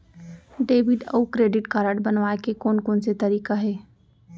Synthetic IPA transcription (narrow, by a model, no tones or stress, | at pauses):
ɖeːʋɪɖə̰ukɾeːɖɪʈkaːɾəʈbɐnʋaːekekoːnkoːnset̪ɐɾiːkaɦɛː